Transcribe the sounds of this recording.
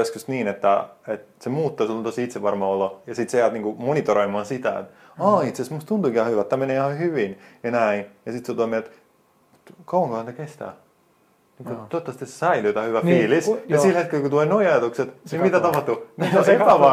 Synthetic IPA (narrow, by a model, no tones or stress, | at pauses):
eskyst̪niːnet̪ːæet̪semuːt̪ːosulːont̪osiit̪seʋɑrmɑolːojɑsit̪sejæːt̪niːŋkumonit̪oɾoimɑːnsit̪æ̰ḛt̪ | ɑːit̪sesmust̪t̪unt̪ukihɑhyʋæt̪ːæmeneːihɑhyʋinjɑnæinjɑsit̪seot̪omielt̪ | t̪kɑwɑ̃ŋkɑhɑnt̪ækest̪æ̰ː | niːŋkut̪ot̪ːɑst̪issæilyt̪æhyʋæfiːlisjɑsilhet̪kelkut̪uleːnoiɑjɑt̪ukset̪simit̪æt̪ɑpɑht̪uniospæʋɑ